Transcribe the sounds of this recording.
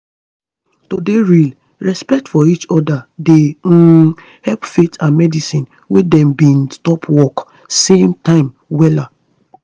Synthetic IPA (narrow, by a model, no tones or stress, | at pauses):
todeɹil | ɹɛspɛk̚tfɔit͡ʃɔdade | hɛlpfetʰãnmɛdisĩn | wedɛ̃mbĩnstɔpʰwɔk | sẽmtãɪ̃m | wɛla